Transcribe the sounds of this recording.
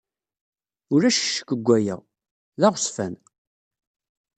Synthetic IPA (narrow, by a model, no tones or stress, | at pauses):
ʊɾæʃə̥ʃːə̥kːəɡʷːæjæ̰ | ðaʁsfæn